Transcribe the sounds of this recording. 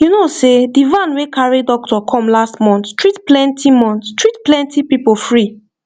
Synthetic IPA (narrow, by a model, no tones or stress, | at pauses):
junosedivãnwekʰaɹidɔk̚tɔkʰɔ̃mlastmɔ̃nttɹitplɛ̃ntʰimɔ̃ntstɹitplɛ̃ntipipofɹi